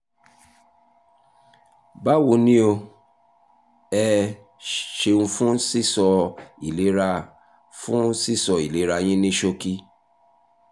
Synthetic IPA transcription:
ba˦wu˨˧nĩ˦o˧ | ɛ˧ | ʃe˧ũ˧fũ˦si˦˨sɔ˧i˨le˨˦ɾa˧ | fũ˦si˦˨sɔ˧i˨le˨˦ɾa˧j̃ĩ˦nĩ˦ʃo˧ki˦

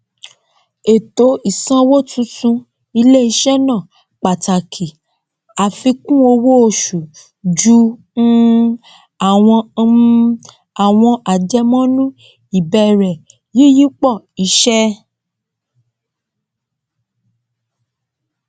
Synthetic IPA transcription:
e˨to˨˦i˨sã˧˦wo˦tũ˦tũ˧ | i˧le˦i˧ʃɛ˦nã˦˨ | k͡pa˨ta˨kʰi˨ | a˨fi˧kũ˦o˧wo˦o˦˧˨ʃu˨ | d͡ʒũ˨˦ | a˨w̃ɔ̃˧ | a˨w̃ɔ̃˧ʔa˨d͡ʒɛ˧mɔ̃˦nũ˦ | i˨bɛ˧ɾɛ˨ | ji˦ji˦k͡pɔ˦˨ | i˨˦ʃɛ˦

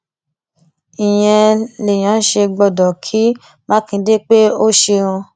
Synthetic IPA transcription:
i˨j̃ɛ̃˧le˨j̃ã˨˦ʃe˧ɡ͡bɔ˧˨dɔ˨kʰi˨˦ | mã˦kĩ˧de˦k͡pe˦o˦ʃẽ˧ũ˧

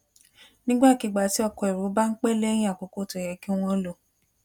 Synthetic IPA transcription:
nĩ˦ɡ͡ba˦˨ki˨˧˦ɡ͡ba˨ti˦ɔ˦˧˨kɔ˧i˨ɾu˨˦ba˦n̩˦k͡pe˦le˦j̃ĩ˦a˦˨k͡po˨˧ko˦to˨jɛ˨˦ki˦w̃ɔ̃˧˦lo˧˨

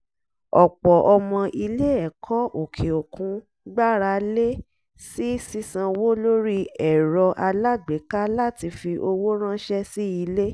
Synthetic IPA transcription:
ɔ˨k͡pɔ˨ʔɔ˧mɔ̃˧ʔi˧le˦ɛ˦˨kʰɔ˦o˨kʰe˨o˨kũ˨˦ | ɡ͡ba˦ɾa˧˦le˦ | si˦si˦sã˧wo˦lo˦ɾi˦ɛ˨ɾɔ˧ʔa˧la˦ɡ͡be˨˦ka˦la˦ti˧fi˧ʔo˧wo˦ɾ̃ã˦ʃɛ˦si˦i˧le˦

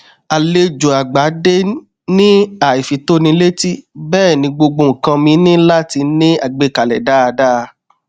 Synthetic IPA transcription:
a˨le˧d͡ʒo˨a˨ɡ͡ba˨˦de˦ | nĩ˦a˨i˨fi˨to˦nĩ˧˦le˦ti˦bɛː˦˨nĩ˧ɡ͡bo˧ɡ͡bo˧˨ŋ̩˨kã˧mĩ˧˦nĩ˦la˦ti˧nĩ˦a˨ɡ͡be˧˦ka˨lɛ̰˨da˦a˧daː˦˧

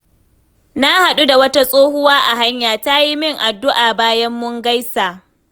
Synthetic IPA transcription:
na˦ha˨ɗu˦da˨wɐ˦ta˦sʼoː˦hʊ˦waː˦ʔa˨ɦa˦ɲjaː˨ta˦ji˦mɪ˦ŋʔa˨dːʊ˦ʔaː˨baː˦jɐ˦mːʊ˦ŋɡa˦jsa˨ʔ

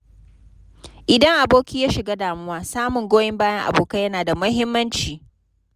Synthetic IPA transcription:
ʔɪ˨dɐ˦ŋʔa˨boː˦kʲiː˦jaː˦ʃɪ˨ɡaː˦daː˨mʊ˦waː˦saː˦mʊ˨ŋɡʷoː˦jɛ˦mbaː˦jɐ˦ŋʔa̰˨boː˨ka˦jɐ˦naː˨da˨mɐ˦ɦɪ˦mːɐ˦nt͡ʃiː˨

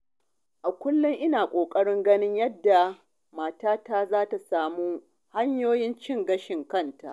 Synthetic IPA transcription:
ʔa˨kʷʊ˦lːʊ˦ŋʔɪ˦naː˨kʷʼoː˨kʼɐ˦ɽɪ˦ŋɡɐ˦nɪ˦ɲjɐ˦dːa˨ | maː˨taː˦taː˦zaː˦ta˨saː˦muː˦ | ha˦ɲjoː˦jɪ˦nt͡ʃɪ˦˨ŋɡɐ˦ʃɪ˨ŋkɐ˦˨nta̰˨ʔ

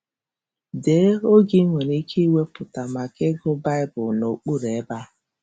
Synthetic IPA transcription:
deː˨˦o˦ɡi˦ŋʷe˨ni˦kʰi˦i˦we˦pʊ˨ta˨ma˨kɪ˦ɡʊ˦ba˦ɪ˦bʊ˨no˨k͡pu˦ɾe˨˦ba˦

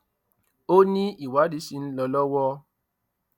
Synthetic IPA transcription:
o˦nĩ˦i˨wa˨˦di˨˦si˧n̩˦lɔ˧lɔ˦wɔ˦

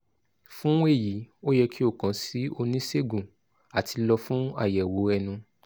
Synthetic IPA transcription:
fũ˦e˦˨ji˨˦o˦jɛ˧kʰi˦o˦˨kã˨˦si˨˦o˧nĩ˦se˦˨ɡũ˨ | a˨ti˧lɔ˧fũ˦a̰˦˨jɛ˨wo˨˦ɛ˧nũ˧

